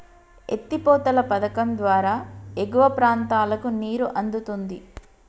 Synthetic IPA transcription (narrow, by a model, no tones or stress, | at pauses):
ḛt̪ːipɔːt̪ɐlɐpɐd̪ɐkɐmd̪ʋaːɾaːeɡuʋɐpɾaːnt̪aːlɐkuniːɾuʔɐnd̪ut̪und̪i